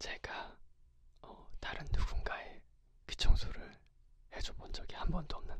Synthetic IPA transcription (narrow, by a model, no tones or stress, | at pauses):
t͡ɕeɡ̥a | ʌtaɾɯnːuɡunɡae | ki̥t͡ɕʰʌŋsʰoɾɯɭ | hed͡ʑubond͡ʑʌɡihambʌndoʌmnɯn